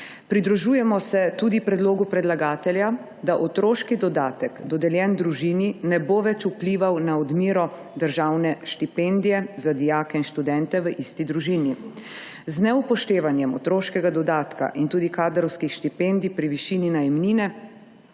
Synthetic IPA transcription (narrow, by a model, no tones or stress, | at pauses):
pɾid̪ɾuʒuːjɛmɔsɛt̪uːd̪ipɾɛd̪loːɡupɾɛd̪laɡaːt̪ɛlja | d̪aʔɔt̪ɾoːʃkid̪ɔd̪aːt̪ɛkd̪ɔd̪ɛljɛnd̪ɾuʒiːninɛboʋɛt͡ʃupliːʋawnaɔd̪miːɾɔ | d̪əɾʒaːwnɛʃt̪ipɛnd̪ijɛzad̪ijaːkɛinʃt̪ud̪ɛnt̪ɛʋəʔist̪id̪ɾuʒini | znɛupɔʃt̪eːʋanjɛmɔt̪ɾoːʃkɛɡad̪ɔd̪aːt̪ka̰ʔint̪uːd̪ikaːd̪ɾɔwskixʃt̪ipend̪ipɾiʋiʃininajɛmniːnɛ